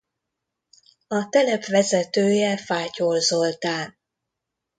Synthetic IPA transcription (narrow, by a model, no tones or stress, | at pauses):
ɒt̪ɛlɛpʋɛzɛt̪øːjɛfaːcoːlzo̞lt̪aːn